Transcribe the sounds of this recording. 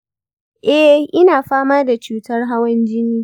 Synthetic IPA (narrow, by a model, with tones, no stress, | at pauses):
ʔɛ˦ʔɪ˦naː˨ɸaː˦maː˦da˨t͡ʃuː˦tɐ˦rɦa˦wɐ˦nd͡ʒɪ˦niː˦